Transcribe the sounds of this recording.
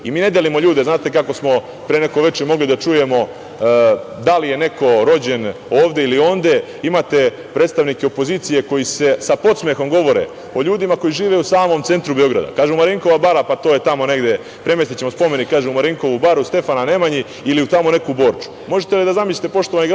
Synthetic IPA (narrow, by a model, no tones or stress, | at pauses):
imiːne̞d̪elimoʎuːd̪e̞znaːt̪e̞kako̞smo̞ | pɾene̞ko̞ʋe̞t͡ʃemo̞ɡlid̪at͡ʃuje̞mo̞ | d̪alije̞ne̞ko̞ɾo̞d͡ʑe̞no̞ːʋd̪e̞ilio̞nd̪e̞ | imat̪e̞ | pɾeːt̪st̪aʋnikeopoziːt̪sije̞ko̞jise̞sapo̞t̪sme̞xo̞mɡo̞ʋo̞ɾḛ | o̞ʎuːd̪imako̞jiʒiːʋeusaːmo̞mt̪e̞nt̪ɾubeo̞ɡɾa̰d̪a̰kaːʒɛumaɾiŋko̞ʋabaɾapat̪o̞ːje̞t̪amo̞ne̞ɡd̪e̞ | pɾe̞mesit͡ɕemospo̞me̞nikːaːʒeumaɾiŋko̞ʋubaɾuust̪e̞fanane̞maɲi | iliut̪amone̞kubo̞ːɾt͡ʃu̥mo̞ʒet̪elid̪azamisʎʲi̥t̪epo̞ʃt̪oʋaniɡɾ